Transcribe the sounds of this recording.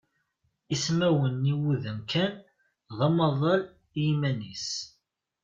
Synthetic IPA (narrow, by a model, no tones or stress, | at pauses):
ismæwənːiwuðəmkʰæn | ðɑmɑðˤɑl | jimænis